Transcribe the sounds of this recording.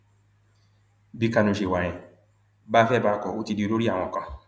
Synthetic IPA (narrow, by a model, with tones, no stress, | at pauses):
bi˨˧ka˧nũ˨ʃe˨wã˨ɛ̃˨ | ba˦˧fɛ˦˨baː˧kɔ˨o˦ti˧di˧o˧ɾo˦ɾi˦a˨w̃ɔ̃˨ka˧